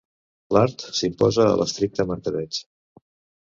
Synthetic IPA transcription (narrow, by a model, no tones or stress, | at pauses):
laɾt̪simpɔzə̰ːlʔəst̪ɾik̚t̪əməɾt̪əβɛt͡s